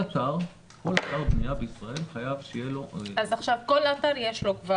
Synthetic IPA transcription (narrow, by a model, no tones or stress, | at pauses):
at̪aʁ | ko̞lat̪aʁbnijabeisʁae̞lħajavʃejelo̞azaχʃavko̞lataʁjeʃlo̞kva